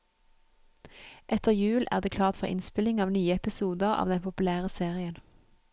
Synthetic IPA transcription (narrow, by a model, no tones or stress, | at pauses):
ʔɛt̪əʁjʉːlʔæ̰ːʁd̪eːkʰlɑːʁt̪fɔʁʔɪ̰nspɪlɪŋɑːʋnyːəɛpɪsuːd̪əʁɑ̰ːʋd̪ɛnpʰʊpʉlæːʁəseːʁɪən